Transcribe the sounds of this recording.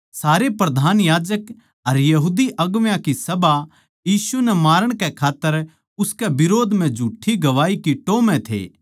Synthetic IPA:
saːɾepɾɐd̪ʱaːnjaːd͡ʒək | ɐɾjɐɦuːd̪iʔɐɡʋjãkisɐba | jiːsunɛmaːɾəɽ̃kɛkʰaːt̪ːəɾ | ʊskɛbɪɾoːd̪ʱm̤ɛ̃d͡ʒʱuːʈʰːiɡɐʋaːikiʈoːmɛ̃t̪ʰḛː

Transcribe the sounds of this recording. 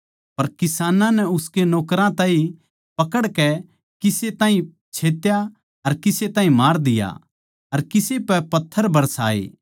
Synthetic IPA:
pɐɾkɪsaːnãnɛʊskenoːkɾãt̪ãːĩ | pɐkəɽkɛ | kɪset̪ãːɦĩ | t͡ʃʰeːt̪ja | ɐɾkɪset̪aːɦĩmaːɾd̪ɪja̰ | ɐɾkɪsepɛpɐt̪ʰːəɾbʱɐɾsa̰ːḛː

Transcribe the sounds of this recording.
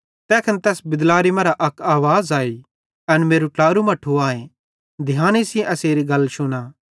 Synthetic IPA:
t̪ɛːkʰɐnt̪ɛːsbɪd̪laːɾimɐ̃ɾaʔɐkaːʋaːzaːi | ɐnmeːɾuʈlaːɾumɐʈʰːuaːẽ | d̪ʱɪjaːnisiẽʔɐseːɾiɡɐlːʃʊnaː

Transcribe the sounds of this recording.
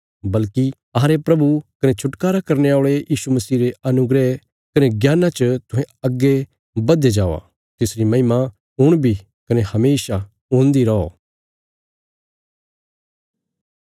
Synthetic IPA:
bɐlki | ɐɾepɾɐbukɐnet͡ʃʰʊʈkaːɾakɐɾneaːɭejiːʃumɐsiːɾeɐnʊɡɾe | kɐneɡjaːnãt͡ʃət̪ʊ̃ɦẽɐɡːe | bɐd̪ed͡ʒaːʋa̰ | t̪ɪsɾimɐɪma | ɦʊɽ̃bʱi | kɐnehɐmeːʃa | ʊ̃ːnd̪iɾɐo̰

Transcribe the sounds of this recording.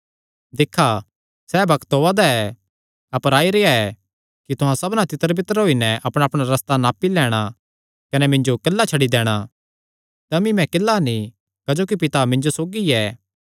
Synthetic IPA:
d̪ɪkʰːa | sɛːbɐkt̪ɦoːad̪aɛ | ɐpəɾaːiɾeːaɛ | kit̪ʊɦãsɐbnat̪ɪt̪ːəɾbɪt̪əɾɦoːinɛʔɐpɽ̃aːpɽ̃aɾɐst̪anaːpilɛːɽ̃a | kɐnɛmɪ̃ɲd͡ʒokɐlːat͡ʃʰɐɽid̪ɛːɽ̃a | t̪ɐmĩmɛ̃kɪlːanĩ | kad͡ʒoːkipɪt̪amɪ̃ɲd͡ʒosoːɡiɛː

